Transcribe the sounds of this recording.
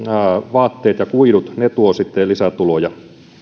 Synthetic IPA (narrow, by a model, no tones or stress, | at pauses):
ʋɑːt̪ːeːt̪jɑkuiɾut̪net̪uosit̪ːelisæt̪ulojɑ